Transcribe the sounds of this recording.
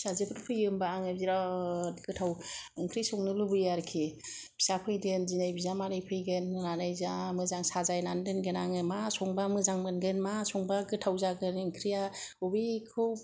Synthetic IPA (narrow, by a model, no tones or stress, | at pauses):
sazepʰɯɾpʰɯjɯmbaːŋɯbziɾaɡɯtʰawɯŋkʰɾisɔŋnɯlubɯjaɾkʰib̥ʰi̥sapʰɯjdenzinajbizamaɾɯjpʰɯjɡennanajzamɯzaŋsazajnandenɡenaŋɯmasɔŋbamɯzaŋmɯnɡɯnmasɔŋbaɡɯtʰawzaɡɯnɯŋkʰɾijaɔbikʰɯw